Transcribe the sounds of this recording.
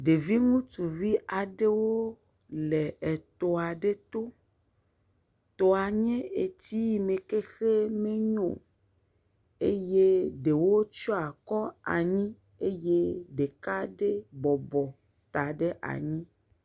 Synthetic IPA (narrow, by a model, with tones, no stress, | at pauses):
ɖe˨vi˦ŋũ˦t̪u˨vi˦ʔa˨ɖe˦wo˦ | le˨e˨t̪o˨a˨ɖe˦t̪o˦ | t̪ɔ˨a˨ɲẽ˦e˨t̪i˦ji˨mẽ˨ke˦xe˦mẽ˦ɲõ̰˨ | e˦je˦ɖe˨wo˦t͡ʃɔ˦a˨kɔ˦a̰˨ɲĩ˦ | e˦je˦ɖe˨ka˦ɖe˦bɔ˨bɔ˨ | t̪a˨ɖe˦ʔa̰˨ɲĩ˦